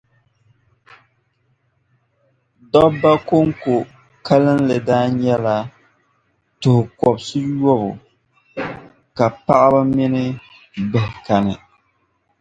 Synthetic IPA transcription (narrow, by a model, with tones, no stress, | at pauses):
dɔ˦bːa˦ko˦ŋko˨ | ka˦lɨ˦nlɨ˨daː˦ɲɛ˦la˨ | tʊ˨hʊ˨kɔ˨bsɨ˦jɔ˦bʊ̰˨ | ka˨pa˦ʔa˦ba˦mɪ˦nɨ˦ | bɛ˨hka˨nɨ˨